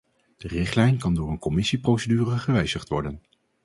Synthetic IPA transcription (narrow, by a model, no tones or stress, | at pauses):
d̥ərɪχtlɛjnkɑndʊːɹənkɔmɪsiprowsedyːrəχəʋɛjzəχtʋɔɹdən